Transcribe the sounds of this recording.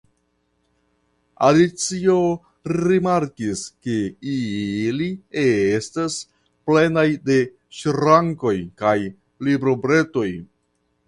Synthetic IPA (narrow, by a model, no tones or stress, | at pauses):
a̰lit͡sio̞ | ɾimaɾkiske̞iliestas | ple̞najde̞ | ʃɾaŋko̞jkaj | libɾo̞bɾe̞to̞j